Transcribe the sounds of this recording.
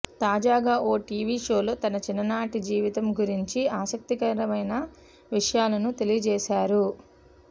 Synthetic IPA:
t̪aːd͡ʒaːɡaːʔo̞ːʈiːʋiʃo̞ːloːt̪ɐnɐt͡ʃinːɐnaːʈid͡ʒiːʋit̪ɐmɡuɾiɲt͡ʃiaːsɐk̚t̪ikɐɾɐmɐjnɐ | ʋiʂɐjaːlɐnut̪e̞lijɐd͡ʒɛːʃaːɾu

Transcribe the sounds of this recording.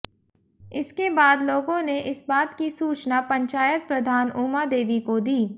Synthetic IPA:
ɪskebaːd̪loːɡõneʔɪsbaːt̪kisuːt͡ʃnapɐ̃ɲt͡ʃaːjət̪̚pɾɐd̪ʱaːnuːmad̪eːʋikod̪iː

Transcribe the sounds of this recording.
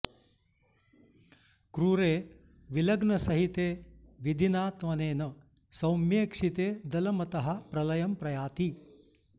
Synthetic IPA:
kɾuɾeː | ʋilɐɡnɐsɐɦit̪eːʋid̪ʱinaːt̪ʋɐneːnɐ | sɐwmjeːkʂit̪eːd̪ɐlɐmɐt̪ɐɦɐpɾɐlɐjɐmpɾɐjaːt̪i

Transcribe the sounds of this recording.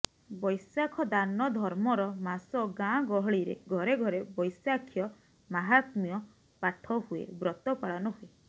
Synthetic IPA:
bɔjsakʰɔd̪anɔd̪ʱɔɾmɔɾɔmasɔɡãɡɔɦɔɭiɾḛɡʱɔɾeɡʱɔɾebɔjsakʰjɔ | maɦat̪mijɔ | paʈʰɔɦuḛbɾɔt̪ɔpaɭanɔɦue

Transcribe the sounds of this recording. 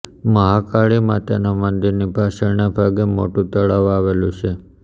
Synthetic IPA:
məɦakaɭimãt̪enamənd̪iɾnibʱaʃəɾnabʱaɡemoʈũt̪əɭaʋaʋelũt͡ʃʰe

